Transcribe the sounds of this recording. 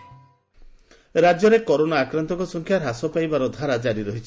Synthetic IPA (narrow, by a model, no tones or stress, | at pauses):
ɾad͡ʒjɔɾekɔɾonaːkɾɔnt̪ɔŋkɔsɔŋkʰjaɾasɔpajbaɾɔd̪ʱaɾad͡ʒaɾiɾɔɦit͡ʃʰi